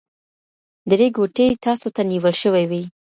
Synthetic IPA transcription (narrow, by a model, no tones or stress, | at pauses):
d̪əɾeɡoʈet̪ɑsot̪aniwəlʃəwajwij